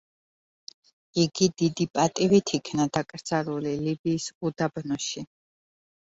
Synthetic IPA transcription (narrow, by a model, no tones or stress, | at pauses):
iɡid̪id̪ipʼat̪ʼivit̪ʰikʰnad̪akʼɾd̪z̥aɾulilibiːsud̪abnɔʃi